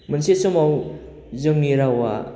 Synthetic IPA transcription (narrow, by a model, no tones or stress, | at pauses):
mənsesɔmaw | zɯŋniɾawa̰